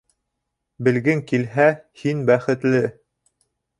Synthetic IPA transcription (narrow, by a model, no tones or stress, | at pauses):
bɘ̆lɡɘŋkilɦæhinbæχɘ̆t̪lɘ